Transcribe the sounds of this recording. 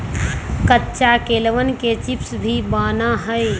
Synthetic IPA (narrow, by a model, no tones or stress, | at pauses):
kətːʃakeːlʋənket͡ʃipsbʱibaːnaɦəj